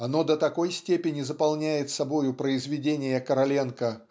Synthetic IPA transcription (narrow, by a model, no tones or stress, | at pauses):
ɐno̞d̪ət̪ɐko̞jsʲtʲepʲɪnʲɪzəpɐlˠnʲæjɪt̪sɐbo̞jʊpɾəɪzvʲɪdʲenʲɪjəkəɾɐlʲenkə